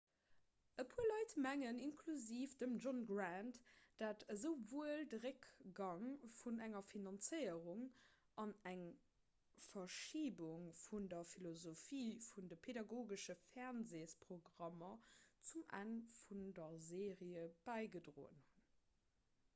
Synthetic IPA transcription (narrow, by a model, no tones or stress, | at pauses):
əpʰuɐlɑɪtmæŋəninkʰluziːfd̥əmd͡ʒonɡʁæntd̥aːtəzəʊvoːəldəʁəkɡ̥ɑŋfunæŋɐfinɑnt͡səɪəʁuŋ | ʔɑnæŋ | fɐʃiːbuŋfundɐfilozofiːfundəpʰedɑɡoːɡəʃəfɛʁnzeːspʁoɡʁɑmɐt͡sumʔæ̰nfundɐzeːʁiəb̥æɪɡədʁo̰ːə̰nhun